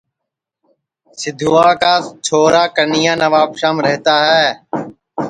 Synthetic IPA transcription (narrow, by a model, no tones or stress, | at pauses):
sɪd̪ʱuːaːkaːt͡ʃʰoːɾaːkəɾnɪjãːnəʋaːpʃãːmɾəɦt̪aːɦɛː